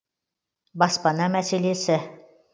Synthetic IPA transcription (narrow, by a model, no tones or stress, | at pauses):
bɑspɑnɑmæselesɘ